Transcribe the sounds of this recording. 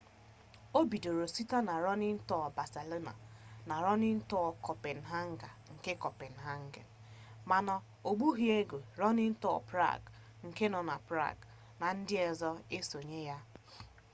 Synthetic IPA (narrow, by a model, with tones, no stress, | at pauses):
o˦bi˨do˨ɾo˨si˦ta˦na˨ɾɔ˦nɪ˦n̩˦tɔ˦˨ba˨se˨lo˦na̰˨na˨ɾɔ˦nɪ˦n̩˦tɔ˦˨kɔ˨pe˨n̩˨ɦa˦ŋ̩˦ɡa˨ŋ̩˨ke˦kɔ˨pe˨n̩˨ɦa˦ŋ̩˦ɡḛ˨n˨ma˨na˨ | o˨ɡ͡bu˦ɦi˦e˦ɡo˨ɾɔ˦nɪ˦n̩˦tɔ̰˦˨pɾa̰˦˨ɡ | ŋ̩˨ke˦nɔ˨na˨pɾa̰˦˨ɡ | na˨n̩˦dɪ˦ɛ˨zɔ˦e˦so˨ɲe˦ja˦